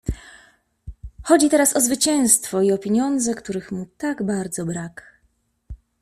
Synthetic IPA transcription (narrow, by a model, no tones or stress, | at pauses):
xɔd͡ʑit̪ɛɾasɔzvɘt͡ɕɛ̃w̃st̪fɔiɔpʲjeɲɔnd̪zɛkt̪uɾɘxmut̪aɡbaɾd̪zɔbɾak